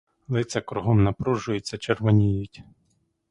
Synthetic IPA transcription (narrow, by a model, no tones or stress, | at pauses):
lˠɪt͡sʲɐkɾʊɦɔmnɐpɾuʒʊjet͡sʲːɐt͡ʃerʋɔnʲijʊtʲ